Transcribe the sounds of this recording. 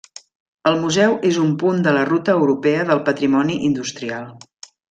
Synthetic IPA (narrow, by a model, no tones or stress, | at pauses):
əlˠmuzɛwʔezumpund̪ələrut̪əːwɾupɛəðəlˠpət̪ɾimɔniʔind̪ust̪ɾialˠ